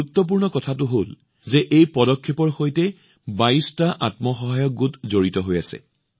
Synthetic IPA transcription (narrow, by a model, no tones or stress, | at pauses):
uutːɔp̬uɹnɔkɔtʰatʊɦol | zɛʔejpɔdɔkʰːepɔɹxojtɛ | baistaʔatmɔxɔɦajɔk̚ɡutzoɹitɔɦojasɛ̰